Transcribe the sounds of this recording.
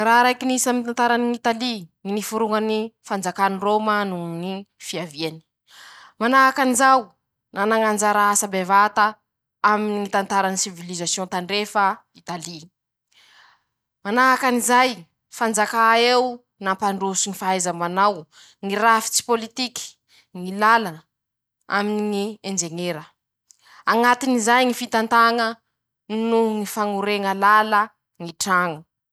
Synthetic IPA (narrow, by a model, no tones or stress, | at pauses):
raːɾajkinisamit̪ant̪aɾaniit̪alininifuɾuŋənifand͡zakaniromanunifiaviani̥ | manaɦakanizaw | nanaŋand͡ʒaɾaasabevat̪a | aminiit̪ant̪aɾanisivilizasjõnt̪aɳɖ͡ʐefa | it̪ali | manaɦakanizaj | fand͡zakaew | nampaɳɖ͡ʐusiŋifaajzamanaw | ŋiɾafi̥t͡si̥polit̪iki̥ | ŋilalanə | a̰miniŋiend͡ʒeŋeɾə | aŋat̪inizajŋifit̪ant̪aŋə | nuŋifaŋuɾeŋəlalə | ŋiʈ͡ʂaŋə